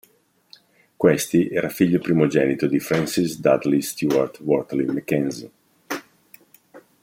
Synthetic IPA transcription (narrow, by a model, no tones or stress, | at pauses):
kwest̪iʔɛːɾafiʎːopɾimod͡ʒɛːnit̪od̪ifɾansisd̪ad̪list̪juaɾt̪wɔrt̪limɛkɛnzḭ